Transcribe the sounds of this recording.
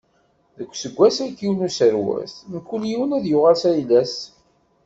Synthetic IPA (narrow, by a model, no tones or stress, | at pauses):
ðəkʷːsəɡʷːæsækːiwnusəɾwæ̰θmkːuljiwənæðjʊʁalsæjlæs